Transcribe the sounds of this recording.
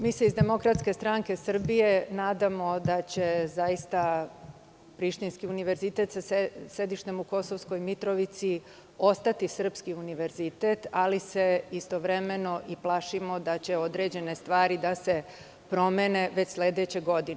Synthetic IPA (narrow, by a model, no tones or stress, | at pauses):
miːseizd̪e̞mo̞kɾat̪ske̞st̪ɾaŋke̞sr̩bijenaːd̪amo̞d̪at͡ɕe̞zajist̪a | pɾiʃt̪inskiuniʋe̞ɾzit̪e̞t̪sased̪iʃt̪e̞muko̞soʋsko̞jmit̪ɾo̞ʋit̪si | o̞st̪at̪isr̩pskiuniʋe̞ɾzit̪e̞t̪aliseist̪o̞ʋɾe̞me̞no̞ʔiplaʃimo̞d̪at͡ɕe̞o̞d̪ɾe̞d͡ʑe̞ne̞st̪ʋaːɾid̪ase̞ | pɾo̞mene̞ʋet͡ɕsled̪et͡ɕe̞ɡo̞d̪ine